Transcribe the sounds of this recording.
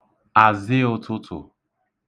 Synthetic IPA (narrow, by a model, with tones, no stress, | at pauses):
a˨zɪ˦ʊ˦tʰʊ˦tʰʊ̰˨